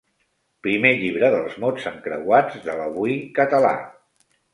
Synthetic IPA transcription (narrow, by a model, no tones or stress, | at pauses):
pɾimeʎiβ̞ɾəðəlˠzmot͡səŋkɾə̰wad͡zðələβuikət̪əla̰